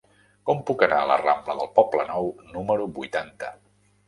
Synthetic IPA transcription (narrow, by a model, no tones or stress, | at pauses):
kɔmpukənaələ̰rambləðəlˠpɔplənɔwnuməɾubujt̪ant̪ə